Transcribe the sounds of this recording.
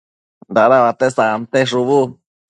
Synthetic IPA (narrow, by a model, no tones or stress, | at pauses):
nd̪aɾaβat̪esamt̪eʐuβu